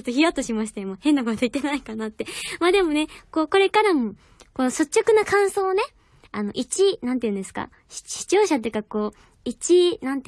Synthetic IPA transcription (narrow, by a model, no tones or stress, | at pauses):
ot̪ːoçijat̪ːoɕimaɕ̬i̥t̪ajomahẽ̞nːakot̪oit̪ːenaikanat̪ːe̞maːd̪e̞mo̞ne̞ko̞ːko̞ɾe̞kaɾamo̞ | ko̞noso̞t͡ɕːo̞kɯ̟nakãɰ̃so̞ːne̞ | ano̞̰ʔit͡ɕinãnt̪eiɯ̟̃nd̪esɨ̥ka̰̥ | ɕi̥t͡ɕo̞ːɕat̪̬ojiɯ̟kako̞ː | it͡ɕinãnt̪e